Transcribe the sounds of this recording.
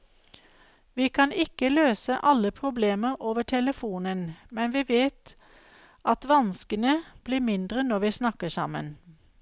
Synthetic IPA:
ʋiːkʰɑnɪkəløːsəʔɑləpʰʁʊbleːməʁoːʋəʈʰɛləfuːnənmɛnʋiːʋeːt̪ | ʔɑt̪ʋɑnskənəb̥liːmɪnd̪ʁənɔʋiːsnɑkəsɑ̰mə̰n

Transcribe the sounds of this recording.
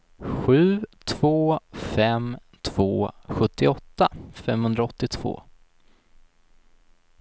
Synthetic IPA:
ɧʉ̟ːt̪ʰv̥oːfɛm | t̪ʰv̥oːɧɵt̪ːɪɔt̪ːafɛmhɵnd̪ɾaɔt̪ːɪt̪ʰv̥o̰ː

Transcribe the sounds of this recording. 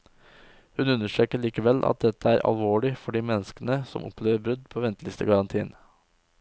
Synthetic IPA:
hʉnʉnːəʂʈɾøːkəɭiːkəʋɛlʔɑ̰t̪̚d̪ɛt̪əæːɾʔɑ̰lʋoːɭɪfɔɖiːmɛnːəskənəsɔ̰mʔɔ̰pʰleːʋəɾbɾʉd̪pʰoːʋɛnt̪əlɪst̪ə̰ɡɑɾɑnt̪ʰḭːn

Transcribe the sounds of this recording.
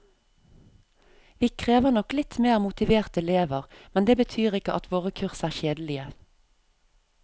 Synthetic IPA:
ʋiːkʰʁeːʋəʁnɔklɪt̪meːʁmʊt̪ɪʋeːʁt̪ɛleːʋəʁmɛnd̪eːbət̪ʰyːʁɪkəʔɑt̪ʋoːʁəkʰʉʁsæːʁʃeːd̪lɪə

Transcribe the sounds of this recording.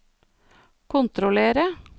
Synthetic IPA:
kʰʊnt̪ɾʊleːɾə

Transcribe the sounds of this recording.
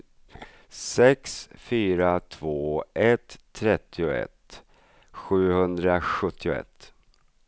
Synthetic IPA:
sɛksfyːɾat̪ʰv̥oːʔɛt̪ʰːɾɛt̪ʰːɪʊɛ̰t̪ | ɧʉ̟ːhɵnd̪ɾaɧɵt̪ʰːɪʊɛ̰t̪ː

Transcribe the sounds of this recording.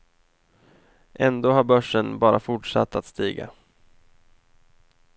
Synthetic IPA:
ʔɛnd̪oːhaɾbœʂːənbɑːɾafʊʈʂa̰t̪ʰːat̪st̪iːɡa̰

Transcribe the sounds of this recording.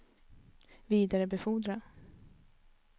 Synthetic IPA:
viːd̪aɾəbɛfuːd̪ɾa

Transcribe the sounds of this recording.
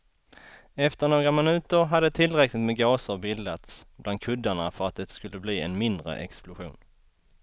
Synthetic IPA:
ɛft̪əɳoːɡɾamɪnʉ̟ːt̪əɾɦad̪ːət̪ʰɪlɾɛklɪt̪meːɡɑːsəɾbɪld̪at̪sblʔand̪kʰɵd̪ːaɳafœɾat̪̚d̪ɛt̪skɵlːəbliːɛ̰nmɪnd̪ɾə̰ʔɛ̰ksplʊɧṵːn

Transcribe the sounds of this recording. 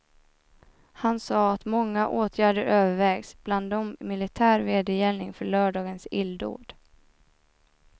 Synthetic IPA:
hansɑːat̪mɔŋːaʔoːt̪ʰjæːɖəɾøːvəɾvɛːɡsb̥land̪ɔmːɪlɪt̪ʰæːɾveːd̪əjɛlnɪŋfœɭœːɖɑːɡənsɪld̪o̰ːɖ̥

